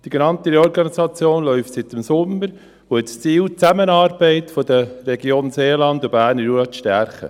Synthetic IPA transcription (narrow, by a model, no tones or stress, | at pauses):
d̥iɡenɑnt̪iɾeɔɾɡɑnisɑt͡sjoːnlœʏft̪sɪt̪ɪmsʊməɾ | hoɛtst͡siːlt͡sæmənɑːɾb̥ɛɪtfodərɛɡjoːnseːlɑnd̪ubæːɾnəɾuəʃtæɾχə̰